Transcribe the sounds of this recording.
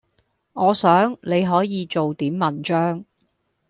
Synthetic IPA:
ŋɔː˨˧sœː˨˥ŋle˨˧jɦɔː˨˥jiː˨˧t͡so˨wt̪iː˨˥mːɐ˨nt͡ʃœː˥ŋ

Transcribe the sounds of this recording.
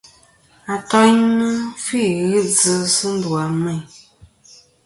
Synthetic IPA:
a˨tɔ˦nə˦fi˦˨ɣɨ˦d͡zɨ˦sɨ˦n̩˦dwa˨mɛ˦˨j

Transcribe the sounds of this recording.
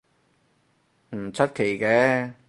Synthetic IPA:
m̩˨˩t͡sʰɵ˥t̚kʰe˨˩jkɛː˨˦˥

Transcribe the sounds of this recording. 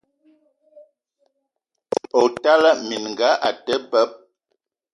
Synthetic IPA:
o˨ta˦lə˦mi˨n˨ŋ˨ɡa˨˦ʔa˨tə˦bə˦p̚

